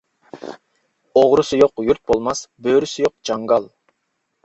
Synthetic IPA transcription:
oʁɾusujoqjuɾt̪̚bolˠmɑsbøːɾysyjoq̚d͡ʒɑŋɡɑlˠ

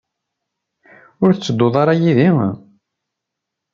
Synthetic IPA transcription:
ʊɾθt͡sːəd̪ːoðˤɑɾˤɑjiði

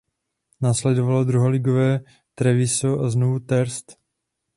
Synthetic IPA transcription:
naːslɛdovalod̪ɾuɦolɪɡovɛː | t̪ɾɛvɪsoʔaznovut̪ɛɾst̪

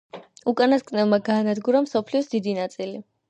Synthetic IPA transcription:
ukʼanaskʼnɛlˠmaɡaːnad̪ɡuɾamsɔpʰliɔsd̪id̪inat̪sʼili

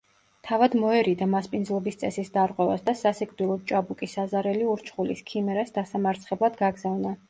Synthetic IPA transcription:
t̪ʰavad̪mɔɛɾid̪amaspʼindzlˠɔbist̪sʼɛsisd̪aɾqʼwɛva̰sd̪asasikʼvd̪ilˠɔt͡ʃʼabukʼisazaɾɛliuɾt͡ʃʰχulḭskʰimɛɾasd̪asamaɾt̪sʰχɛblˠad̪ɡaɡzavna

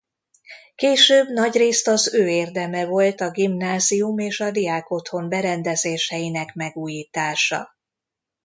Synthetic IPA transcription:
keːʃøːbnɒɟreːst̪ɒzøːeːrd̪ɛmɛvo̞lt̪ɒɡimnaːzijumeːʃɒd̪ijaːko̞t̪ho̞mbɛɾɛnd̪ɛzeːʃɛjinɛkmɛɡuːjiːt̪aːʃɒ̰

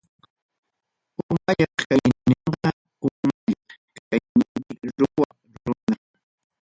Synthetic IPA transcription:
ʊmaʎɑχkajnɪɴɢɑ | ʊmaʎɑkkajnɪmɪɾʊwa | ɾʊna

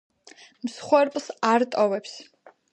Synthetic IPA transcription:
msχwɛɾpʼlˠsaɾt̪ʼɔvɛps

